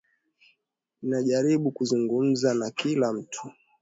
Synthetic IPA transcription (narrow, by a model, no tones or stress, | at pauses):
ninaʄaɾiɓukuzuŋɡum̩zanakilam̩tʰu̥